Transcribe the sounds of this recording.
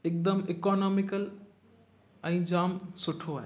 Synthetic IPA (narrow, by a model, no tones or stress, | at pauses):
ek̚d̪əmɪkɔːnɔːmɪkəl | ɛ̃ːd͡ʒaːmsʊʈʰoaɦ